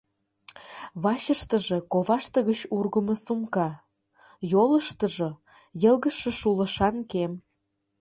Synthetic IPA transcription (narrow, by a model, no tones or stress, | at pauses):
βɑɕəʃt̪ə̆ʒĕkoβɑʃt̪əɣət͡ɕurɣəmə̆sumkɑ | joləʃt̪ə̆ʒo | jə̆lˠɣəʃĕʃulə̆ʃɑnkem